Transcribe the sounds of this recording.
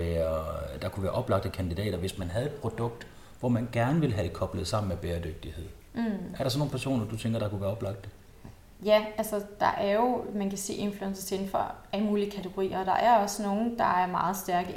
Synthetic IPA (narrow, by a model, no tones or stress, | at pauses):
æɐd̥ɑ̈kʰuʋæːɐʔɒ̽b̥lɑ̈ɡ̥̚d̥əkʰænd̥idɛ̰ːɾ̥ɐʋe̝smænɦæð̞̩ˠe̝d̥̚pʰʁo̝d̥ɔ̽ɡ̥̚d̥ | ʋɒmænɡ̥æɐnəʋe̝lɦæd̥e̝kʰɒ̽b̥ləð̞̩ˠsɑ̈m̰n̩meb̥eːɐd̥øɡ̥̚d̥ihe̝ð̰ˠ | æɐɾɑ̈sɒno̝ːn̩pʰæɐso̰ːnɐd̥ut͡sʰeŋɡ̥ɐɾ̥ɑ̈kuʋæːɐɒb̥lɑ̈ɡ̥̚d̥ə | jæælsɒd̥ɑ̈ʔæɐjo̝mænkʰæse̝̰ːe̝nfluensɐt͡sʰe̝n̩fɒæləmuːliəkʰæt͡sʰeɡ̥o̝ʁḭːɐd̥ɑ̈ʔæɐɒ̽sno̝ːn̩d̥ɑ̈æɐmɑ̈ːð̞̩ˠsd̥æɐɡ̥ə